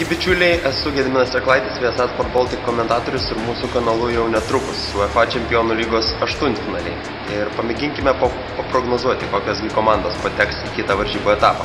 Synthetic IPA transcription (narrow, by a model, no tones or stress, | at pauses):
kʲɪbʲɪt͡ʃʲuːlʲɛɪɛsʊɡʲɛd̪ʲmʲɪnɐsʲɛklˠɐɪt̪ʲɪsʋʲiɛsɑːspoːd̪boːlˠt̪ʲɪkkoːmʲɛnt̪ɑːt̪oːɾʲʊsɪɾmuːsukɐnɐlˠʊjɛʊnʲɛt̪ɾʊkʊssʊɐfɑːt͡ʃʲɛmʲpʲɪjoːnuːlʲiːɡoːsɐʃt̪ʊnt̪ʲfʲɪnɑːlʲɛɪ | ɪɾpɐmʲɪɡʲɪŋʲkʲɪmʲɛpoː | pɐpɾoːɡnoːzuɔt̪ʲɪkoːkʲoːsɡʲɪkoːmɑnd̪oːspoːt̪ʲɛkst̪ikʲɪt̪ɐʋɐɾʲʒʲiːboːɛt̪ɑːpɐ